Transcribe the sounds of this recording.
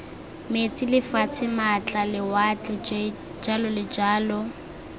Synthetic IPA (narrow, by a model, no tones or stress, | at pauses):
met͡sʼilɪfat͡sʰɪmat͡ɬʼalɪwat͡ɬʼɛ | d͡ʒalɔlɪd͡ʒaːlɔ